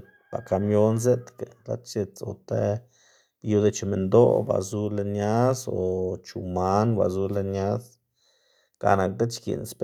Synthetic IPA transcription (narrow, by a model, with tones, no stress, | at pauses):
ba˨ka˧mjo˦nz̬e˦t̪ke˨la̰˦t͡ʃe˧t͡so̰˧t̪e˦ | ju˧˦d̪e˧t͡ʃe˧me˨nd̪o̰˦ba̰˨zu˧le˧nja˦so˨t͡ʃu˨ma˧˦nba̰˨zu˧le˧nja˦s | ka̰˨na˨k̚d̪e˦t͡ʃkḭ˨nsp